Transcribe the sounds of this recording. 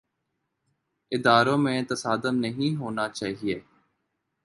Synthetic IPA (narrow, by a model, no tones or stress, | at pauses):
ɪd̪aːɾõːmẽːt̪əsaːd̪əmnəɦĩːɦoːnaːt͡ʃaːɦieː